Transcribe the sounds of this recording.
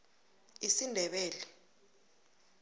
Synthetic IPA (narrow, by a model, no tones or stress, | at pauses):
isindʱɛɓɛːlɛ